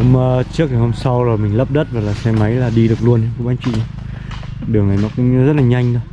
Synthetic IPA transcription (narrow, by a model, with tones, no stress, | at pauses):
ʊ̰˨˦ŋ͡mːt͡ɕɨ˦˥ək̚ŋaː˨˩ho˧msa˧wzo˨˩jmï˨˩ŋ̟lə˦˥p̚ɗə˦˥t̚va˨˩laː˨˩sɛ˧ma˨˦jlaː˨˩ɗi˧ɗɨ˨˩ək̚lu˧əna˧˦kʊ̰˧˦ŋ͡mɓaː˨˦nt͡ɕwḭ˧˨a˨˧˦ | ɗɨ˨˩əŋʔa˨˦jnɔ˨˦kʊ̰˧˥ŋ͡mnɔ˨˦zə˦˥t̚laː˨˩ɲa˧jŋ̟ɗo˧˦